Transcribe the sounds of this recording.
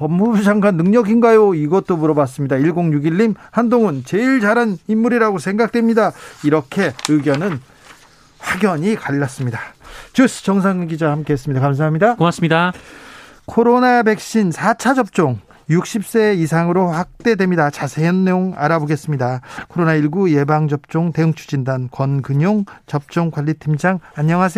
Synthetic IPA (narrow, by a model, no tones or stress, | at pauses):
pʌmːubid͡ʑaŋɡanːɯŋɲʌɡinɡajoiɡʌt̚t͈omuɾʌbas̬͈ɯmɲidaiɭɡoŋjuɡiɭːimhandoŋɯnt͡ɕe̞iɭd͡ʑaɾanimːuɾiɾaɡosʰe̞ŋɡak̚t͈we̞mɲidaiɾʌkʰe̞ɯɡjʌnɯn | ɸwaɡjʌɲikaʎːas͈ɯmɲidat͡ɕus͈ʰɯ̥t͡ɕʌŋs̬ʰaŋɡid͡ʑahamk͈e̞ɦes͈ɯmɲidakams̬ʰaɦamɲidakas͈ɯmɲida | kʰoɾonabe̞k̚ɕ͈insʰat͡ɕʰad͡ʑʌp̚t͡ɕ͈oŋ | juk̚ɕ͈ip̚s͈e̞is̬ʰaŋɯɾoɸwak̚t͈e̞dwe̞mɲidat͡ɕasʰejʌnːejoŋa̰ɾaboɡe̞s͈ɯmɲidakʰoɾonaiɭɡuje̞baŋd͡ʑʌp̚t͡ɕ͈oŋte̞ɯŋt͡ɕʰud͡ʑindankwʌnkɯɲoŋt͡ɕʌp̚t͡ɕ͈oŋkwaʎːitʰimd͡ʑaŋaɲːʌŋɦas̬ʰe